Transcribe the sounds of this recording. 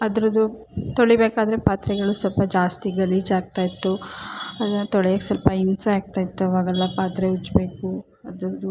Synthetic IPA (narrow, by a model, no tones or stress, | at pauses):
ɐd̪ɐɾɐd̪u | t̪oɭibeːkaːd̪ɐɾepaːt̪ɾɛɡɐɭusɐlpɐd͡ʒaːst̪iɡɐliːd͡ʒaːɡ̚t̪aːjit̪ːuɐd̪t̪oɭɛjɐksɐlpɐimsɐaːɡ̚t̪aːjit̪ːuɐʋaːɡɛlːɐpaːt̪ɾeut͡ʃːbeːku | ɐd̪ɾɐd̪u